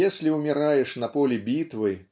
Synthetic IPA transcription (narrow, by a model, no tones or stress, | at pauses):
esʲlʲiumʲɛɾajɛʂnɐpɔlʲibʲit̪vɨ